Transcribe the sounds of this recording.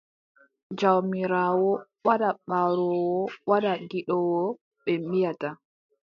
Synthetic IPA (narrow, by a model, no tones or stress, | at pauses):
d͡ʒawmiɾaːwɔ | waɗaɓaɾɔwɔwaɗaɡiɗɔwɔ | ɓɛmijata